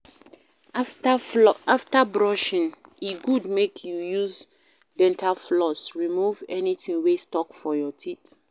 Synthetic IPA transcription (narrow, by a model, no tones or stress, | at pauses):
aftabɹɔʃĩniɡudmekʰjujuz | dɛ̃ntʰaflɔsɹimuvɛnitĩŋwestɔkfɔjɔtʰit